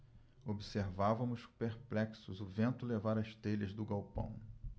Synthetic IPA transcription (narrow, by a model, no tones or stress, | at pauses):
obiseɾvavɐ̃mʊspeɾplɛksʊzʊvẽnt̪ʊlevaɾɐʃt̪eʎɐzd̪ʊɡawpɐ̰̃w̃